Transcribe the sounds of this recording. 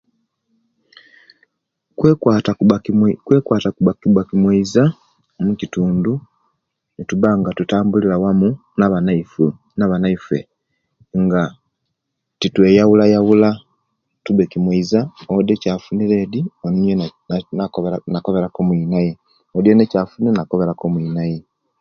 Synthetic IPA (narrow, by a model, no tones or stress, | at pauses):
kːt | kwe̞ːkwaːtakubakibwakimweiza | mucituːndu | nituβaŋɡatutaːmbulilawamunaβanaifu | naβanaifḛ | ŋɡa | titwe̞jawulajawula | tuβekimweizaodecaːfuniɾe̞ːdioninjennanakoβe̞ɾakomwiːnaje | odjenecaːfunenako̞βe̞ɾako̞mwiːnaje